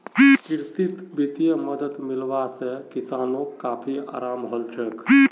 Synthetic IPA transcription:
kiɾt̪it̪bit̪ijəməd̪ət̪mɪlʋasekɪsaːnõkaːpʰia̰ːɾaːmɦəlt͡ʃʰək

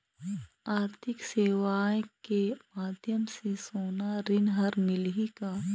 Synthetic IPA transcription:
aːɾt̪ʰɪkseːʋãːkemaːd̪ʱjəmsesoːnaɾɪnɦɐɾmɪlɦika

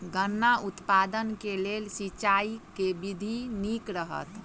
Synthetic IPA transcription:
ɡənːaut̪pad̪ənkelelsit͡ʃaikebid̪ʱinikɾəɦə̰t̪

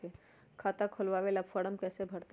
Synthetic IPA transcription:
e | kʰaːt̪akʰolwaweləbfəɽəmkɛːsebʱəɾt̪

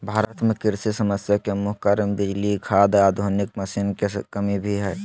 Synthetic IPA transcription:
bʱaːɾət̪mẽkɪɾsisəməsjakemʊɦkaːɾəmbɪd͡ʒlikʰaːd̪aːd̪ʱoːnɪk̚mɐsiːnkekəmibʱiɦɛː

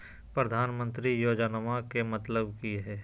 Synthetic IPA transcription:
pɾəd̪ʱaːnmə̃nt̪ɾijoːd͡ʒanəʋakemɐt̪ləbkiɦɛː

